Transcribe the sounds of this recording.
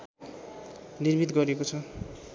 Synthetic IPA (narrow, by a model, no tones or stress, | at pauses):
nirbit̪ɡʌɾekot͡sʰʌ